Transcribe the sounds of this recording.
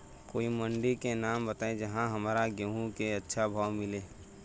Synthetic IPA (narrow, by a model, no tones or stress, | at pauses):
koːiməɳɖikenaːmbət̪aːẽd͡ʒɐɦãɦəmːɾaɡeɦũkeɐtːʃʰabʱaːwmɪleː